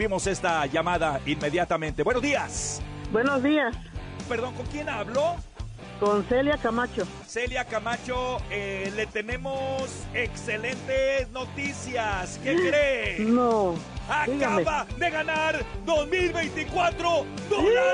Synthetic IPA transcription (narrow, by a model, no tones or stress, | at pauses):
βimo̞se̞st̪aʝamaðainme̞ðjat̪amẽ̞nt̪ebwe̞nozðiasbwenozðias | pe̞ɾðo̞ŋko̞ŋkje̞naβlo̞ | konseljakamat͡ʃo | seljakamat͡ʃoele̞t̪e̞ne̞mosekse̞le̞nt̪esno̞t̪isjaskekɾeno | aikɣaeβaðe̞ɣanaɾd̪o̞zmilβe̞jnt̪ikwat̪ɾo̞d̪oa